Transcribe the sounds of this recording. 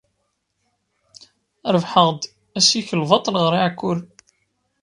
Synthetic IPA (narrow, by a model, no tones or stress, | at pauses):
ɾəvħəʁd̪ | æsiçəlvɑt̪ˤlʁəɾiʕkːʊɾ